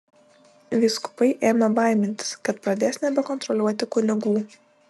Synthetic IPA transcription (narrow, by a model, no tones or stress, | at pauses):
ʋʲiːskʊ̥pɐɪʔeːmʲɐbɐˑɪmʲɪnʲt̪ʲɪ̥skɐt̪pɾɐd̪ʲæːsʲnʲɛbʲɛkɔnt̪ɾɔlʲuɔt̪ʲɪkʊnʲɪɡuː